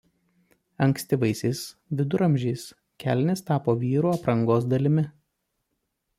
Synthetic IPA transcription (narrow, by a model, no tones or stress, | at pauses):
ɐŋksʲt̪ʲɪʋɐɪsʲɛɪsʋʲɪd̪ʊɾɐmʲʒʲɛɪs | kʲæ̰ːˑlʲnʲɪst̪ɑːpoːʋʲiːɾuːɐpɾɐŋɡoːs̬d̪ɐlʲɪmʲɪ